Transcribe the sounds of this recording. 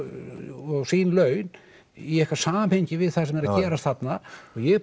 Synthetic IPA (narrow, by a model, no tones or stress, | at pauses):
ɔɣsinlœɥn | iɛhkvaɾ̥saːmamhejɲcɪvɪðθasɛmɛɾaðcɛːɾast̪θat̪naɔɣjɛ